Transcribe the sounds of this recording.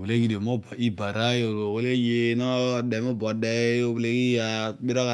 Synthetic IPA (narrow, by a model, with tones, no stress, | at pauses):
we˨le˦ki˦de˨mo˦ba˨i˦ba˨ɾa˦jo˨o˨we˦le˦je˦nɔ˦dɛ˨mo˦bɔ˨dɛ˦o˦wle˦ki˦a˨bi˦ɾa˦ka˨